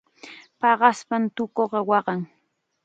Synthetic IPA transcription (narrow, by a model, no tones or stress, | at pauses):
pɑɢɑspant̪ʊkoɢɑwɑɢɑŋ